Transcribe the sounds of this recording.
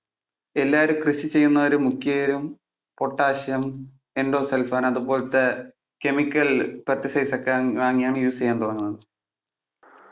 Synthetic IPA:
e̞lːaːɐɾukrɨɕit͡ɕe̞jːunːɐʋɐɾumːukʰːjɐjɾum | po̞ʈːaːɕɐm | enɖo̞ːselfaːnɐðupo̞ːɭt̪ːe | ke̞mikʲːɐlprɐt̪ːisɐjsɐkːeʋaːŋːijaːɳɨjuːst͡ɕejːaːnt̪orɐŋːunːɐðɨ

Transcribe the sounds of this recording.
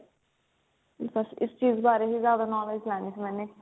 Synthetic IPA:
bɐsɪst͡ʃiːzbaːɾeɦizjaːd̪anɔːled͡ʒlaɛːnisʰimɛ̃ːne

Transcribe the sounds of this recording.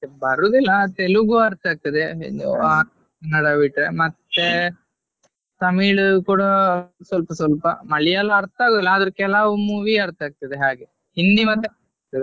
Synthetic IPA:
bɐɾud̪ilːɐt̪eluɡuɐɾt̪aːɡ̚t̪ɐd̪ḛd͡ʒa | nɐɽɐʋiʈɾemɐt̪ːe | t̪ɐmiːɭukuːɽɐsʋɐlpɐsʋɐlpɐmɐɭijɐlɐːɾt̪aːɡud̪ilːɐːd̪ɐɾukɛlaːʋumuːʋiɐɾt̪aːɡ̚t̪ɐd̪eɦaːɡe | hind̪imɐt̪ːe | t̪ɐd̪e

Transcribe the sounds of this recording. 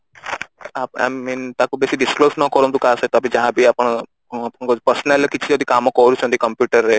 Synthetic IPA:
apa̰int̪akubesiɖɪskloːsnɔkɔɾunt̪̬ukaːsəet̪ɔabĩd͡ʒɐɦãbʱiapəɳ̃ | apkɔpəɾsnɛləkit͡ʃʰiod̪ikamɔkɔɾut͡ʃʰɔ̃nt̪ikəmpjuːʈəɾːe

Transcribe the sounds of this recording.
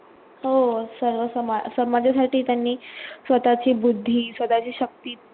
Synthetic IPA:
ɦosəɾʋəsəmasəmad͡ʑʱasaʈiːt̪janːiːsʋət̪at͡ɕiːbud̪ʱːiːsʋət̪at͡ɕiːɕək̚t̪iː

